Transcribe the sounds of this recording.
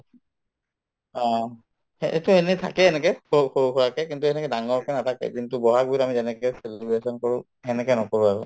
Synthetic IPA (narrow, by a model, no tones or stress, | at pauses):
a | ɛḛtuɛnɛtʰa̰kɛɛnɛkɛoxokʰɔɹakɛkintuɛnɛkɛdaŋɔɹkɛnatakḛdintʊbɔɦak̚bujtamizɛnɛkɛselbesɔnkoɹʊ̃ | ɛnɛkɛnɔkoɹuaɹɔ